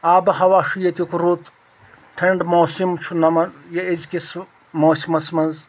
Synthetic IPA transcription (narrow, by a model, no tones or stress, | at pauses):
aːbɐhɐʋaːʂijɐt̪ukuɾut̪ʰ | t̪ʰɐɳɖmoːsimt͡ʃʰunɐmɐɾjɐizkis | moːsimɐsmɐz